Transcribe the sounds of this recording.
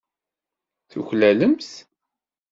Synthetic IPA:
θṵçlæləmθ

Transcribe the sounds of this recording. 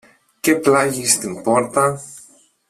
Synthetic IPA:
ceplaʝist̪impoɾt̪a

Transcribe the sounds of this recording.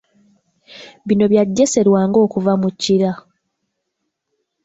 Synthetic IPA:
βino̞βjaɟːese̞ɾwaːŋɡo̞ːkuvamucːiɾa

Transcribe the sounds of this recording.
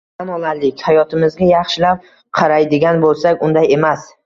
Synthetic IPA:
anɒlˠaɾlɪkʲhajɒt̪ʰɪmɪzɡʲajɑχʃɪlap̚ | qʰɑɾajd̪ɪɡʲanbolˠsakʲʊnd̪aje̞mas

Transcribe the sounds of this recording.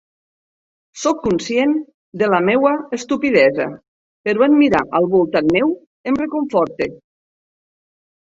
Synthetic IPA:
sɔkːunsjen | d̪elamewaest̪upið̞ɛza̰ | peɾuanmiɾa̰ʔəlˠβulˠt̪anmew | emrekuɱfɔɾt̪e

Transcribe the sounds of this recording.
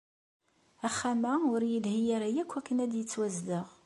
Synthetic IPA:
æχːæmæʊɾjilhijaɾæjækʷːækːənæd̪jət͡sːwæzləʁ

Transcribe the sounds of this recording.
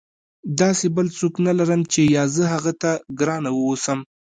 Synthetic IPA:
d̪ɑsebəlt͡soknalaɾəmt͡ʃejɑzəɦaɣat̪aɡɾɑnawəwosəm

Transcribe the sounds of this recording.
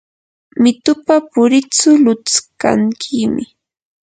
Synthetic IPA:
mɪt̪ʊpapʊɾɪt͡sʊlʊt͡ska̰ŋkʰɪmɪ

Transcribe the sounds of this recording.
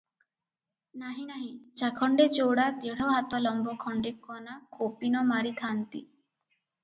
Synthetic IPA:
naɦĩnaɦĩd͡ʒakʰɔɳɖed͡ʒoɽat̪eɽ̤ɔɦat̪ɔlɔmbɔkʰɔɳɖekɔnakopinɔmaɾit̪ʰant̪ḭ

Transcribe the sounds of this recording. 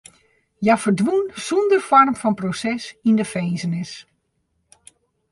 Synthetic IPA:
jafərdʋunsundərfɔrmfɔnprosɛsindəfejnzənɪs

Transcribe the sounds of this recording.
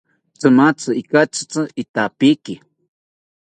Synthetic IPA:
t͡sɨmat͡sɨikat͡ʃɨ̥t͡sɨit̪apiki

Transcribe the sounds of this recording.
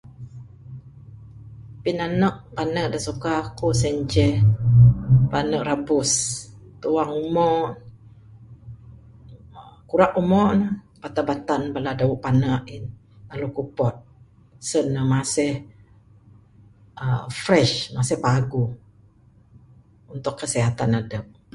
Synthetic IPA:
pinanəʔpanəʔdasukakusɛɲd͡ʒɛh | panəʔrabʊst̪uwaŋumɔʔ | kuɾaʔumɔʔnə | b̥at̪abat̪anbaladawuʔpanaʔin | lalukupɔt̪̚ | sənəmasɛh | əfɾɛʃmasɪhpaɡu | unt̪ʊkːəsiɦat̪anadəp̚

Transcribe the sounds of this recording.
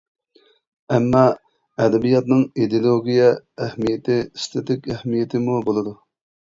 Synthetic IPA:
ɛmːɑ | ɛd̪ɛbijɑt̪nɨŋid̪elˠoɡʲijɛæhmijɪt̪ʰɪst̪ʰet̪ʰɪkʲæhmijet̪ʰɪmubolˠɨd̪u

